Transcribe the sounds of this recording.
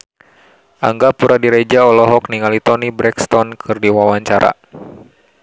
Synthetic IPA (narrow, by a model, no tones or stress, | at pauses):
ʔaŋɡapuɾadiɾɛd͡ʒaɔlɔɦɔk̚niŋalit̪ɔnibɾɛkst̪ɔnkʰɨrdiwawaɲt͡ʃaɾʔa̰